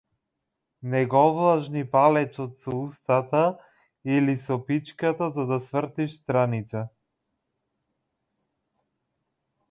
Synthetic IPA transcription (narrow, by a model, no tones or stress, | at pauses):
nɛɡɔvlˠaʒnipalɛt͡ʃ̪ɔt̪sɔust̪at̪a | ilisɔpit͡ʃkat̪azad̪asvr̩t̪iʃst̪ɾanit̪sa